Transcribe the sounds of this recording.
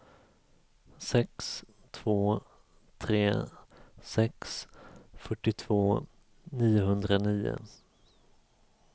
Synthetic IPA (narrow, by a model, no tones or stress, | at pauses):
sɛks | t̪ʰv̥oː | t̪ʰɾeː | sɛksfœʈːɪt̪ʰv̥oː | niːʊɦɵnd̪ɾaniːʊ̰